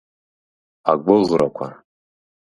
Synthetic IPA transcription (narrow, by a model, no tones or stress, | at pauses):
a̰ɡʷʊlrakʷʰa̰